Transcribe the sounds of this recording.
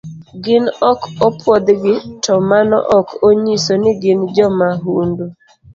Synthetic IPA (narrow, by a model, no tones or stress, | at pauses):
ɡɪnɔkɔpʰwɔd̪ɡɪtɔmanɔ̰ʔɔkoɲisonɪɡɪnd͡ʒɔmaɦundo